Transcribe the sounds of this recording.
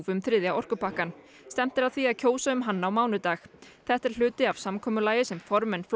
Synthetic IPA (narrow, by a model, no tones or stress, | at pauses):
vʏmθɾɪðjaɔr̥kʏpʰahkan | st̪ɛm̥t̪ɪɾaðθviaðcʰoːwsaʏmɦanːaːawmaːwnʏt̪aːxθɛht̪ɛɾ̥l̥ʏːt̪ɪav̥samkʰɔːmʏlaːjɪsɛmfɔɾmɛnfl